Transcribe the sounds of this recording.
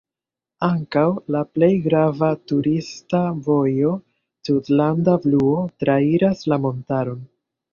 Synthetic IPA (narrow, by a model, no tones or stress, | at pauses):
aŋkawlaple̞jɡɾavatuɾistavo̞jo̞ | sudlandabluotɾaiɾaslamo̞ntaɾo̞n